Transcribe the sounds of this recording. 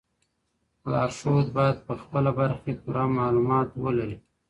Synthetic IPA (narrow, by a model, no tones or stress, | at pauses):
lɑːʃod̪bɑjad̪̚pəxpəlabaɾxepuɾamɑlumɑt̪wəlaɾi